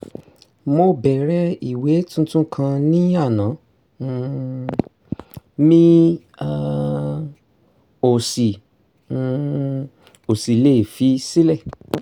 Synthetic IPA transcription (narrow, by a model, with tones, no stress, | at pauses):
mo˧bɛ˨ɾɛ˧˦i˨we˨˦tũ˦tũ˦kʰã˧nĩ˦a˦˨nã˨˦˧ | mĩ˦ | a˧ | o˨si˨ | o˨si˨le˨fi˨˦si˦lɛ˦˨